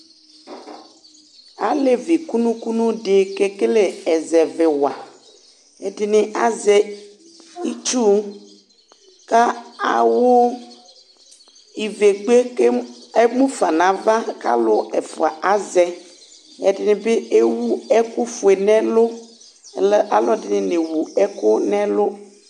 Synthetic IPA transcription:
a̰˨le˦vi˨ku˦nũ˦ku˦nũ˦ɖe˨ke˦ke˦le˦ɛ˨zɛ˨ve˨wa˨ | e˨dɪ˨nẽ˨ʔa˨zɛ˨ | i˦t͡ʃu˦ | ka˦a̰˨wo˦ | i˨ve˨ɡ͡be˦ke˦e˦mũ˦fa˨nã˨va˦ka̰˦lʊ˦ɛ˨fʊ˨a˨ʔa˦zɛ˨ | ɛ̰˨dɪ˨nɪ̃˨be˦e˦wu˦ɛ˦kʊ˦fʊ˨e˨nɛ̃˦lʊ˦˨˦ | a˨lɔ˦dɪ˨nɪ̃˨ne˨wu˨ɛ˦kʊ˦nɛ̃˦lʊ˦

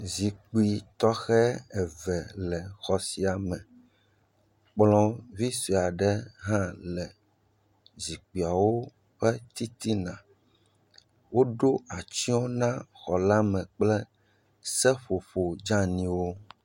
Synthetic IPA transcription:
zi˨k͡pi˨t̪ɔ˦xɛ˦ɛ˨vɛ˨lɛ˨xɔ˨si˨a˨mɛ̃˨ | k͡plɔ̃˦vi˦si˨a˨ɖɛ˦ɦã˦lɛ˨ | zi˨k͡pi˨a˨wo˦ | ɸɛ˦t̪i˦t̪i˦nã˨ | wo˦ɖo˦a˨t͡ʃi˦o˦nã˦xɔ˨la˦mɛ̃˨k͡plɛ˦ | sɛ˦ɸo˨ɸo˨d͡ʒã˦nĩ˦wo˦

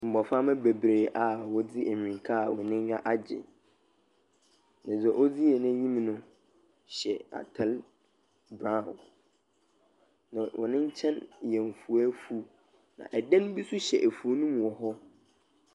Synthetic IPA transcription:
m̩˨bɔ˨fa˦mɛ̃˦be˨bɾeː˨ʔa˨wɔ˦d͡zi˦ʔe˨mᶣ˨ĩ˨ŋ˨kʰa˦˨wɔ̃˨nɪ̃˦ɲᶣa˦ʔa˦d͡ʑɪ̰˨ | nã˨d͡zɛ˨ʔo˦d͡zi˦ɛ˨nã˦ɲĩ˦m˦nʊ̃˦ | ɕɛ˨a̰˨tʰɛ˦˨l | bɾã˦˨n | nã˨wʔɔ̰˨nɪ̃˦ɲ̩˦t͡ɕʰɛ̃˦n˨jɛ̃˨ɱ˨fu˨æ˦fu˦ | nã̰˨ʔɛ˨dɛ̃˦ñ˦bi˦sʊ˦ɕɛ̰˨ʔæ˨fu˨o˦nũ˦mũ˨ɔ˨ɦɔ˦

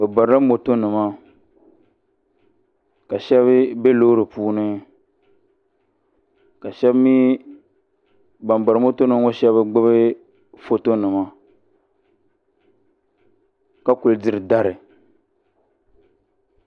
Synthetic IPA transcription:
bɛ˨ba˨ɾɾɨ˦mo˨to˦nɨ˨ma˦ | ka˨ʃɛ˦βbe˦lo˦ɾɨ˨puː˦nɨ˦ | ka˨ʃɛ˦bmi˦ | ba˨mba˨ɾɨ˨˦mo˦to˦nɨ˨ŋ˦o˦ʃɛ˦βɨ˦ɡ͡bɨ˦bɨ˦ | fo˦to˦nɨ˨ma˦ | ka˦ku˨ldɨ˨ɾɨ˨da˦ɾɨ˨

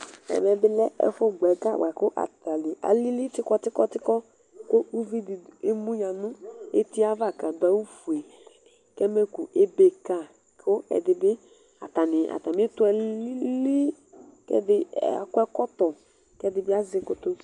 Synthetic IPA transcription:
ɛ̰˨mɛ˨bɪ˦lɛ˦ɛ̰˨fɔ˦ɡ͡bɛ˨ɡa˦˨wa˨kʊ˦ʔa̰˨ta˨nɪ˨a̰˨li˦li˦tɪ˦kɔ˦tɪ˦kɔ˦tɪ˦kɔ˦ | ko˦u˦vi˦di˨e˦mu˦ja˨nʊ˦ḛ˦ti˦a˦va˦˨ka˨da˨˦u˦fu˨e˨ | kɛ˦me˦ku˨e˦be˨ka˦˨ | kʰo˦ɛ̰˨dɪ˨bɪ˦ | a˨ta˨nɪ˨ʔa̰˨ta˨me˦tʊ˦ɛ˨li˦li˦ | kɛ̰˦dɪ˦ɛ̰˨kʷɛ˦kɔ˦tɔ˨ | kɛ˦dɪ˨bɪ˦a˦zɪ˧ko˨to˦

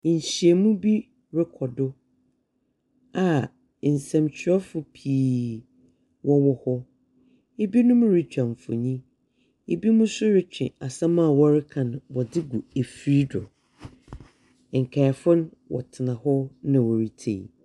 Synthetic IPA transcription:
ɲ̩˨ɕi˨e˨mũ˦bi˦ | ɾɪ˦kʰɔ˨dʊ˦ | a˨ | n̩˨sɛ̃˨mt͡ɕʰɪ˨˦ɔ˦fʊ˨pʰi˦ | wɔ˦wɔ˦hɔ˦ | e˦bi˦nʊ̃˦m̃˦ɾɪ˨t͡ɕᶣã˨ɱ˨fʊ̰˨ɲĩ˦ | e˦bi˦mũ˦sʊ˦ɾɪ˦t͡ɕᶣɪ̰̃˨a˨sã˦mã˦˨wɔ˦ɾɪ˦kʰã˨ñ˨wɔ˨dɪ˦ɡu˨e˨fɾi˦dʊ̰˨ | ŋ̩˨kʰɛ˨fʊ˦n˦wɔ̰˨tʰɪ˨nã˨hɔ˦nã˨wɔ˨ɾi˨tʰḛ˨

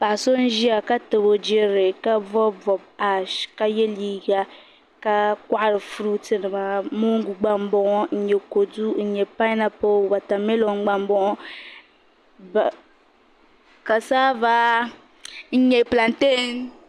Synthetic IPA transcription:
pa˨ʔso˦n̩˦ʒi˦a˨ka˦tɨ˨bo˨d͡ʒɛ˦ɾɪ˨ka˦vɔ˦vɔ˨b̚a˦ʃka˦jɛ˦liː˦ɡa˦ | ka˦ka˦ʔa˦ɾɨ˨fu˦ɾu˦tɨ˨nɨ˨ma˨mo˦ŋ˦ɡu˨ɡ͡ba˦mbɔ˦ŋɔ˦n̩˦ɲɛ˨ko˨du˦n̩˨ɲɛ˨pa˦na˦po˦ba˨ta˨me˦lo˨˦ŋ͡m̩˦ɡ͡ba˨mbɔ˦ʔɔ˦˨ | ka˨saː˦ba˦ | n̩˦ɲɛ˨pla˨nte˦n

